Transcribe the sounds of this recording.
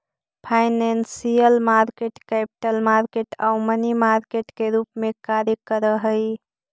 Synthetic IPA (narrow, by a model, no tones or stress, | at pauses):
pʰaɪnensijəlmaɾkeʈkɛpi̥ʈəlmaɾkeʈaʊmənimaɾkeʈkeɾupmekaɾjəkəɾəɦəj